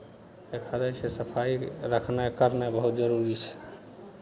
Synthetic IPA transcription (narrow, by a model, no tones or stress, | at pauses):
ekʰədasesəpʰaiɾəkʰnakəɾnebəɦut̪̚d͡ʒəɾuɾit͡ʃʰɛ̥